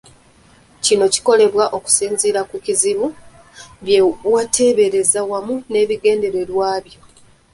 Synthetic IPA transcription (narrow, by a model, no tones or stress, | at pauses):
cino̞ci̥ko̞le̞βwaʔo̞ku̥siːnziɾakuciziβu | βjewatʰe̞ːβe̞ɾe̞zawamune̞ːβiɡe̞ːnde̞ɾe̞lwaːβjo̞